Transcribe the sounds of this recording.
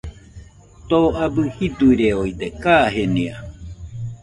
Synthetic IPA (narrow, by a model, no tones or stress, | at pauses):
t̪oabɨhid̪uiɾeoid̪ekaːɦenia